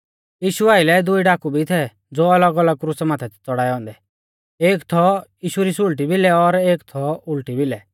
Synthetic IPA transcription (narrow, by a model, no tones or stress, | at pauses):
jiːʃuaːɪlɛd̪ʊiɖaːkubʱit̪ʰɛ | d͡zoːɐləɡɐləɡ̚kɾusɛmãːt̪ʰɛtʰt͡sɔɽaːɛɦɔ̃ːnd̪ɛ | eːkt̪ʰɔjiːʃuɾisulʈ̬ibʱɪlɛɔɾeːkt̪ʰɔʊlʈibɪlɛ